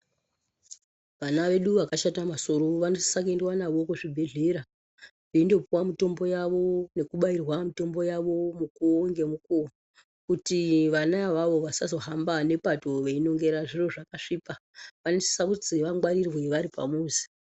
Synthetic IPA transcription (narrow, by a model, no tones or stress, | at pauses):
ʋanaʋe̞ɗuʋakaʃatamasoɾoʋanosi̥sak̬endwanaʋo̞kuʐibʱe̞ɮe̞ɾa | keindo̞puwamito̞mbo̞jaʋo̞ne̞kuɓairwamito̞mbo̞jaʋo̞mukoŋɡe̞muko | kutiʋanaʋaʋo̞ʋasazo̞ɦambane̞patoʋeino̞ŋɡe̞ɾaʐiro̞ʐakaʂiːpaʋanesi̥saud͡zeʋaŋɡwaɾirweʋaɾipa̰muːzi̥